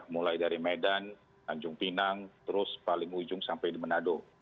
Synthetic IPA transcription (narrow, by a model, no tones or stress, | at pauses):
mulajdaɾimedan | kaɲd͡ʒʊŋpinaŋt̪əɾʊspalɪŋud͡ʒʊŋsampajdimənado